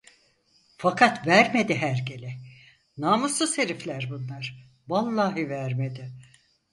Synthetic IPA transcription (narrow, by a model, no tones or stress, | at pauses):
fakʰat̪væɾme̞d̪iɦæɾɟelʲɛ | naːmɯslˠɯse̞ɾiflʲæɾbunlˠaɾ̥ | valˠːaːɦɯvæɾmed̪ɪ